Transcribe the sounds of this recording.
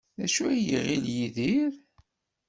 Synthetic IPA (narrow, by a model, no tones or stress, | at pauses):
æʃuæjiʁiljiðiɾ